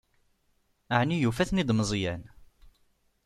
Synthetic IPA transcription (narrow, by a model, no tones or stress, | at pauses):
aʕnijufæθnid̪məzˤjæn